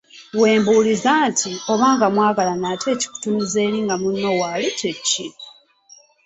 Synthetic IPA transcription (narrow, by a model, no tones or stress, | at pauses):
we̞ːmbuːlizaːntʰio̞βaːŋɡamwaːɡalanaːtʰe̞ːci̥ku̥tunize̞ːliːŋɡamunːo̞walitecːi